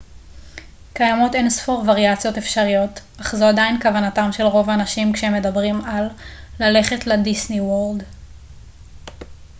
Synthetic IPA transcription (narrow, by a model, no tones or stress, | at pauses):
kajamo̞tensfoʁvaʁiat͡sijo̞tefʃaʁijo̞t | aχzoadainkavanatamʃe̞lʁo̞vaanaʃimkʃeemːe̞dabʁimalːale̞χe̞tledisniwoʁld